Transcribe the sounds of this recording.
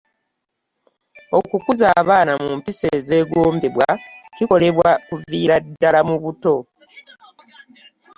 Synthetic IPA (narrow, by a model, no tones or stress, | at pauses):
o̞kukuzaːβaːnamumpise̞ːze̞ːɡoːmbeβwa̰ciko̞le̞βwakuviːɾadːalamuβuto̞